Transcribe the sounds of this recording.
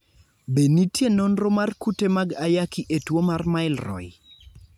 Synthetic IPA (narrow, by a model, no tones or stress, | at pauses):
benitjenonɾomarkutemaɡajakiʔetwomarmaɪlrɔ̰j